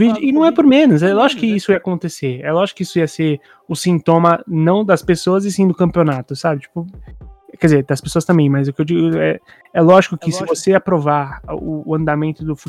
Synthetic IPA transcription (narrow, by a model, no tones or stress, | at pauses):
vid͡ʒʊʔɪnɐ̃w̃ɛpoɾmẽnʊz̬ɛlɔʒikʊkɪisʊijakõnt̪eseɾɛlɔʒikʊkɪisʊiɐseɾ | ʊsĩnt̪õmɐnɐ̃w̃d̪ɐspesoɐzɪsĩd̪ʊkɐ̃mpionat̪ʊsabɪt͡ʃi̥pʊ | kɛd͡ʒɪzeɾd̪ɐspesoɐst̪ɐ̃mbẽj̃mɐzʊkeewd͡ʒiɡʊɛ | ɛlɔʒikʊkɪsɪvoseapɾovaɾʊːɐ̃nd̪amẽnt̪ʊd̪ʊfu